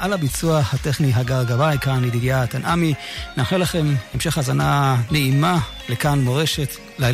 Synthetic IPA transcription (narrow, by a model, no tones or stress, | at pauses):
ʔalabit͡suahateχniɦaɡaʁɡavajkanid̪iɡjat̪anʔaminaχnulaχe̞memʃe̞χazananeima | lekanmoʁeʃet | lal